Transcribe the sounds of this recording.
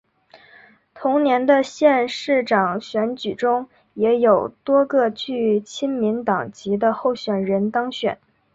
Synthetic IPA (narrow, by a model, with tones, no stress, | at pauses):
t̪ʰʊ˧˥ŋnjɛ˧˥nd̪ə˧ɕjɛ˥˧nʂɻ̩˥˩ʈ͡ʂɑ˨˩ŋɕɥɛ˧˥nt͡ɕy˨˩ʈ͡ʂʊ˥ŋ | jɛ˧˥jo˨˩ʊt̪wɔ˥ɡɤ˥˧t͡ɕy˥˩t͡ɕʰi˥nmi˧˥nt̪ɑ˨˩ŋt͡ɕi˧˥d̪ə˧xo˥˩ʊɕɥɛ˨˩nɻə˧˥nt̪ɑ˥ŋɕɥɛ̰˨˩˦n